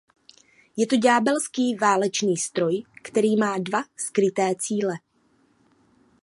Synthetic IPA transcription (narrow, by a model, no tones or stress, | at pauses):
jɛt̪oɟaːbɛlskiːvaːlɛt͡ʃniːst̪ɾo̞jkt̪ɛɾiːmaːdvaskɾɪt̪ɛːt͡siːlɛ